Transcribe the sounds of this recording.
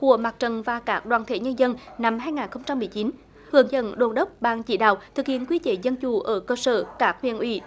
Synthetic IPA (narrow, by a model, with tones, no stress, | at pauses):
ku˧˩əmaː˨˩k̚t͡ɕə˨˩nvaː˨˩kaː˦˥k̚ɗwaː˧˩nt̪ʰḛ˧˩ɲə˧nzə˧nna˧mɦaː˧jŋaː˨˩nxə˧wŋ͡mt͡ɕa˧mːɨ˨˩əjt͡ɕi˨˦n | hɨ˧˩əŋzə̰˧˩nɗo˨˩nɗə˦˥k͡p̚ɓaː˧ŋt͡ɕi˧˩ɗa̰ː˧˨wt̪ʰɨ˨˩k̚hḭ˧˨ənkwi˧t͡ɕe˧˩zə˧nt͡ɕu˨˧˩ʔəː˧˩kəː˧səː˧˩kaː˦˥k̚hwḭ˧˨ənʔwḭ˧˩